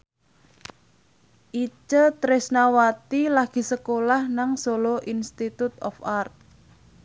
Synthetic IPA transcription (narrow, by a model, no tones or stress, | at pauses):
ʔit͡ʃət̪ɾɪsnawat̪ilaɡ̥i̤səkolahnaŋsoloʔinst̪it̪ut̪ɔ̰fart̪̚